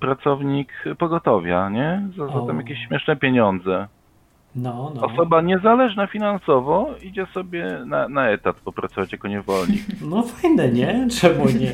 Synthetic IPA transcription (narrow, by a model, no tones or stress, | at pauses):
pɾat̪sɔvɲikpɔɡɔt̪ɔvʲjaɲɛzazat̪ɛmjakʲeɕːmʲɛʂnɛpʲjeɲɔnd̪zɛ | nɔnɔsɔbaɲɛzalɛʐnafʲinansɔvɔid͡ʑɛsɔbʲjɛnanaɛt̪at̪pɔpɾat̪sɔvat͡ɕjakɔɲɛvɔlɲḭnɔfajnɛɲɛt͡ʂɛmuɲɛ